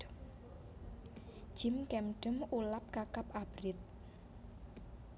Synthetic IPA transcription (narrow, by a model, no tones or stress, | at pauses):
d̥ʒ̥ɪ̤mkɛmɖ̥əmulap̚kakapab̥ɾɪt̪̚